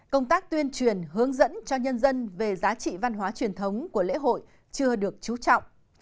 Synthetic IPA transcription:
kə˧wŋ͡mt̪aː˦˥k̚t̪wi˧ənt͡ɕwi˨˩ənɦɨ˨˦əŋzə̰˧˥nt͡ɕɔ˧ɲə˧nzə˧nve˨˩zaː˨˦t͡ɕḭ˧˨va˧nɦwaː˨˦t͡ɕwi˨˩ənt̪ʰə˨˦wŋ͡mku˧˩əlḛ˧˥ɦo̰˧˨j | t͡ɕɨ˧əɗɨ˨˩ək̚t͡ɕu˨˦t͡ɕɔ̰˧˨wŋ͡mʔ

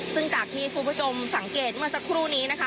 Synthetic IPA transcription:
sɯ˥˩ŋt͡ɕaː˨˩k̚t̪ʰiː˥˩k̪ʰuː˧˥˩pʰu˦˥t͡ɕʰo˧msa˩˦ŋkeː˨˩t̪̚mɯ˥ɐsa˧˥kʰɾuː˥˩niː˦˥na˦˥kʰa˦˥

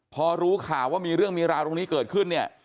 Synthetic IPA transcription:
pʰɔː˧ɾuː˦˥kʰaː˨˩waː˥˩miː˧ɾɯ˥˩əŋmiː˧ɾaː˧wt̪o˧ŋniː˦˥kɤː˨˩t̪̚kʰɯ˥˩nːi˥˩ɐ

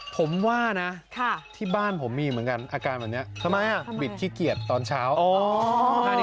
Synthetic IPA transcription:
pʰo˩˦mwaː˥˩na˦˥kʰa˥˩t̪ʰiː˥˩baː˥˩npʰo˩˦mːiː˧mɯ˩˦nka˧nʔaː˧kaː˧nbɛ˨˩p̚ni˦˥ɐt̪ʰa˧˩ma˧jʔa˨˩bi˨˩t̪̚kʰiː˦˥˩ki˨˩ət̪ːɔː˧nt͡ɕʰaː˦˥woː˧a˧˦

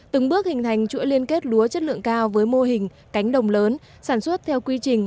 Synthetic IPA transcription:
t̪ɨ˨˩ŋɓɨ˦˥ək̚hï˨˩ŋ̟t̪ʰa˨˩jŋ̟t͡ɕɨ̰˧˥li˧ənke˦˥t̚ɗu˨˦ət͡ɕə˦˥t̚lɨ̰˧˨əŋkaː˧wvəː˨˦jmo˧ɦï˨˩ŋ̟ | ka˨˦jŋ̟ɗə˨˩wŋ͡mləː˨˦n | saː˧˩nswə˦˥t̚t̪ʰɛ˧wkwi˧t͡ɕï˨˩ŋ̟

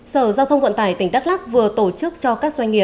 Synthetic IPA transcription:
səː˧˩zaː˧wt̪ʰə˧wŋ͡mkwə̰˧˨nt̪aː˧˩jt̪ï˧˩ŋ̟ɗa˦˥t̚laː˦˥k̚vɨ˨˩ət̪o˧˩t͡ɕɨ˦˥k̚t͡ɕɔ˧kaː˦˥k̚za˧jŋ̟ŋi˨˩əp

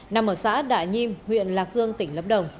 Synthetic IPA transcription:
na˨˩mʔəː˧˩sa̰ː˧˥ɗa̰ː˧˨jɲi˧mhwḭ˧˨ənlaː˨˩k̚zɨ˧əŋt̪ï˧˩ŋlə̰˧˥p̚ɗə˨˩wŋ͡m

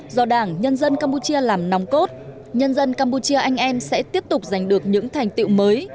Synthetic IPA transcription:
zɔ˧ɗaː˧˩ŋɲə˧nzə˧nkaː˧mpu˧t͡ɕi˧əlaː˨˩mna˨˦wŋ͡mko˦˥t̚ | ɲə˧nzə˧nkaː˧mpu˧t͡ɕi˧əʔa˧jŋ̟ʔɛ˧msɛ̰˧˥t̪i˦˥əp̚t̪ʊ˨˩k͡p̚za˨˩jŋ̟ɗɨ˨˩ək̚ɲɨ̰˧˥ŋt̪ʰa˨˩jŋ̟t̪ḭ˧˨wməː˨˦j

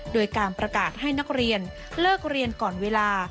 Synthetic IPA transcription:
doː˧jkaː˧npɾa˧kaː˨˩t̪̚ha˥˩jna˦˥k̚ɾi˧ən | lɤː˥˩k̚ɾi˧ənkɔː˨˩nweː˧laː˧

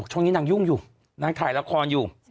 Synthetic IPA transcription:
k̚t͡ɕʰɔ˥˩ŋniː˦˥naː˧ŋju˥˩ŋjuː˨˩ | naː˧˥ŋt̪ʰaː˨˩jla˦˧˥kʰɔː˧njuː˨˩

